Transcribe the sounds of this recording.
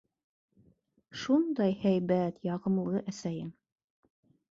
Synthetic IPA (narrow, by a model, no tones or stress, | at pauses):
ʃund̪ɑjhæjbæt̪jɑʁɤ̆mlˠɤʔæsæjɘŋ